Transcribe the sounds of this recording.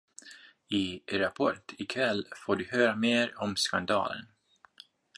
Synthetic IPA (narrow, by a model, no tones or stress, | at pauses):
ɪɾapʰɔʈʰɪkʰvɛlːfoːɖɵhøːɾameːɾɔmskand̪ɑ̰ːlə̰n